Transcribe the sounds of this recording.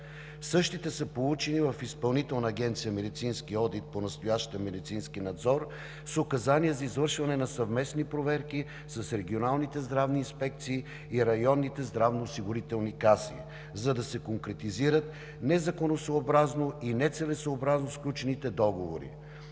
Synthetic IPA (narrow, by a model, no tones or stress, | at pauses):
sɤʃt̪it̪ɛsəpolˠut͡ʃɛnivɐfispɐlˠnit̪ɛlˠnəːɡʲɛnt̪sijəmɛd̪it̪sinskiɔd̪it̪̚ponɐst̪ojaʃt̪əmɛd̪it̪sinskinɐd̪zɔɾ | sokɐzaniəzɐizvɤɾʃvɐnɛnɐsɐvmɛsnipɾovɛɾki | sɐsɾɛɡionalˠnit̪ɛzd̪ɾavniːnspɛk̚t̪siː | iɾɐjɔnːit̪ɛzd̪ɾavnoːsiɡʊɾit̪ɛlˠnikasḭ | zɐd̪ɐsɛkoŋkɾɛt̪iziɾət̪ | nɛzɐkonosoːbɾaznoinɛt̪sɛlɛsoːbɾaznosklʲut͡ʃɛnit̪ɛd̪ɔɡovoɾḭ